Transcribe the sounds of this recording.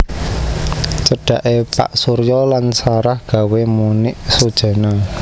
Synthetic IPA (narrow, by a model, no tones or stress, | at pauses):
t͡ʃəɖ̥a̤ʔepa̰ʔsuɾjɔlansaɾahɡ̥ä̤wemunɪʔsud̥ʒ̥a̤na